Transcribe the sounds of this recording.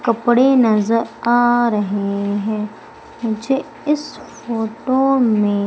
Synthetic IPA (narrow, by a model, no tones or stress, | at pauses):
kɐpɽenɐzəɾaːɾɐɦeɦɛ̃ː | mʊd͡ʒe | ɪsfoːʈomẽ